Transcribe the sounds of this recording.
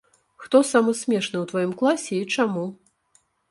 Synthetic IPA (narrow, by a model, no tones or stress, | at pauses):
xt̪ɔsamɐsʲmʲɛʂnɨwt̪vajimklˠasʲɛit͡ʂamu